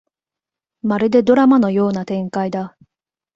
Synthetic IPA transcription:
maɾɯ̟d̪e̞d̪o̞ɾamano̞jo̞ːnat̪ẽ̞ŋkaid̪a

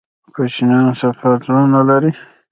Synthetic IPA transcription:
kot͡ʃinɑnsafaɾt̪ɾunalaɾi

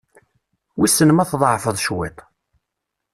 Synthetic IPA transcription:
wisənmæθðˤʕfəðˤʃwit̪ˤ

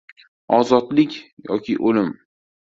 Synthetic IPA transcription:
ɒzɒd̪lɪkʲjɒ̰kʲʰɪʔolɪm

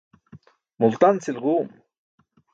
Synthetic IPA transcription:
mʊlt̪ant͡sɪlɢuːm

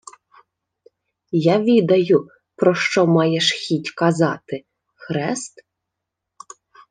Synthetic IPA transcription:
jaʋʲid̪ɐjʊ | pɾɔʃt͡ʃɔmɑjɛʃxʲitʲkɐzɑt̪ɪ | xɾɛst̪

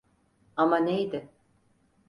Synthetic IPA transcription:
amanejd̪ɪ

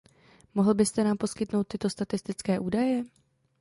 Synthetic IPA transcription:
mo̞ɦl̩bɪst̪ɛnaːmpo̞skɪt̪no̞wt̪ːɪt̪ost̪at̪ɪst̪ɪt͡skɛːʔuːdajɛ

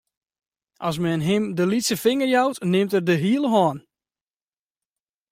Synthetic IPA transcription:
ʔɑs̬mɛnɦɪmdəlitsəfɪŋərjawtnɪmtərdəɦiəlˠəɦɔːn

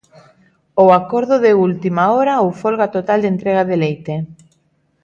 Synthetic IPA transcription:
oakoɾðʊðeult̪imaoɾaowfolɣat̪ot̪ald̪ent̪ɾeɣ̞aðelejt̪e

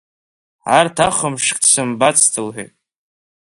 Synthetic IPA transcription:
ʕartʰaχəmʂkʼtsɨmbat͡sʰtʰɨlħḛjtʼ

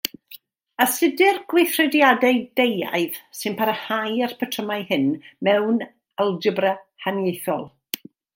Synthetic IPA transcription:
əsɪdɨrɡwɪθrɛdjadɛdeja̰ɨðsɨnpʰaɾəhajar̥pʰətʰəmajhɨnmɛwn | əlˠd͡ʒəbrəhanjejθɔ̰lˠ

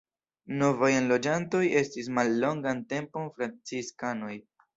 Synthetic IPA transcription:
no̞vajenlo̞d͡ʒanto̞je̞stis̬malːo̞ŋɡante̞mpo̞nfɾant͡siskano̞j

